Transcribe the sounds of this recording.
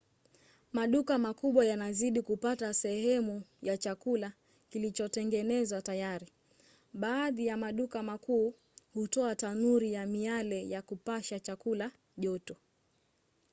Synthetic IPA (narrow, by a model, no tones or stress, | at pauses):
maɗukamakuɓwajanaziɗikupatasɛhɛmujat͡ʃakula | kilit͡ʃɔtɛŋɡɛnɛzwatajaɾi | ɓaːðijamaɗukamakuː | hutɔatanuɾijamialɛjakupaʃat͡ʃakula | ʄɔtɔ